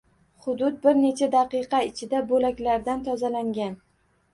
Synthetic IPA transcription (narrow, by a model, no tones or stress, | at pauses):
χʊd̪ʊd̪̚bɪɾne̞t͡ʃʰad̪aqɨqɑɪt͡ʃʰɪd̪abolakʲlaɾd̪ant̪ʰɒzalaŋɡʲan